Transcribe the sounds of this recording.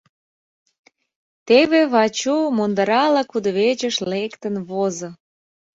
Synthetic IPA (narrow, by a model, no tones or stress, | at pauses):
t̪eβeβɑt͡ɕumond̪ɑɾɑlɑkud̪βet͡ɕə̆ʃlekt̪ə̆nβozo